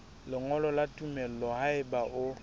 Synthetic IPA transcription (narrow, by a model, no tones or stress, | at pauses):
lɪŋɔlɔlatʼumɛl̩ɔhaɪbaʔʊ